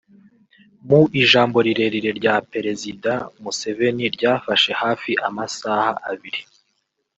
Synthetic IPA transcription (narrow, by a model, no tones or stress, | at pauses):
muʔiʒaːmbo̞ɾiɾe̞ɾiɾe̞ɾɟape̞ɾe̞zidamuse̞ve̞niɾɟaːfaʃe̞haːfiʔamasahaʔaβiɾi